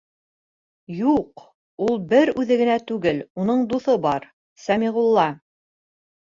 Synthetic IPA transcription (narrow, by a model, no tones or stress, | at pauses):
juq | ulˠbɘɾʉðɘ̆ɡɘ̆næt̪ʉɡɘlunɤɴd̪uθɤbɑɾ | sæmiʁulˠːɑ